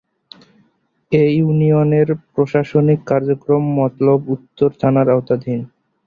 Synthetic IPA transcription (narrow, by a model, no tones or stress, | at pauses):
ejunijoneɾpɾoʃaʃonikːaɾd͡ʑokɾomːɔt̪lobut̪ːoɾt̪ʰanaɾaot̪ad̪ʱin